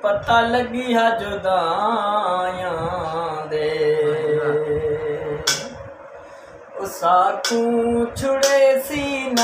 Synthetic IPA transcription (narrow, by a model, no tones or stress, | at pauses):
pət̪aːləɡiːɦaːd͡ʒoːd̪ãː | jãːd̪eːe | ʊsaːt̪ũːt͡ʃʰʊɽeːsiːn